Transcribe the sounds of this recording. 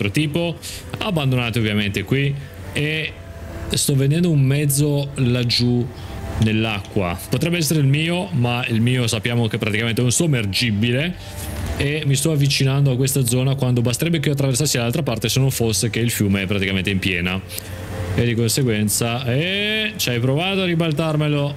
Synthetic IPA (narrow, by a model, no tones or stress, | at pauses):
t̪ɾot̪iːpo | abːand̪onaːt̪eovːjament̪ekwi | e | st̪ɔvːend̪ɛnd̪oummɛd̪zːolad͡ʒu | nelːakːwa̰pot̪ɾɛbːeɛsːeɾeilmiːomailmiːosapːjaːmokepːɾat̪ikament̪eɛunsumerd͡ʒibile | emist̪ɔavːit͡ʃinand̪oakːwest̪ad̪zɔːnakwand̪obast̪eɾɛbːekioat̪ːɾaversasːid̪alalt̪ɾapart̪esenːoɱfosːek̟eilfjuːmeɛpːɾat̪ikament̪eimpjɛːna | ed̪ːikonseɡwɛnt̪saɛt͡ʃajpɾovaːt̪oaribalt̪armelo